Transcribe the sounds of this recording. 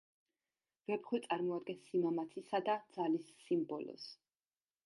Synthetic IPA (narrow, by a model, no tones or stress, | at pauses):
v̥ɛbχwit̪sʼaɾmɔad̪̚ɡɛnsimamat̪sʰisad̪ad̪z̥alisːimbɔlɔ̰s